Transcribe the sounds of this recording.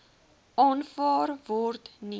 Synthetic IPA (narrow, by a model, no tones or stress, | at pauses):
ɑnfɑːrvɔrtni